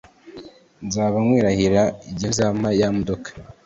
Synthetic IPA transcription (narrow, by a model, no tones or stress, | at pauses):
nzaːβamwiːɾahiɾaiɟinzamajamodokḁ